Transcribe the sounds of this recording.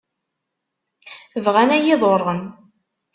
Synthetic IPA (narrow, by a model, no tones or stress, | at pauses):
əvʁænæjɪðˤorˤːən